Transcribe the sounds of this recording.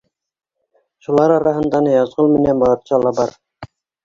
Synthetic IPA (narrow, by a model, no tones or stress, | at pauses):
ʃulˠɑɾɑɾɑɦɤ̆nd̪ɑnɤjɑzʁɤlˠmɘ̆nænbɑlˠɑt̪t͡ɕɑlˠɑbɑɾ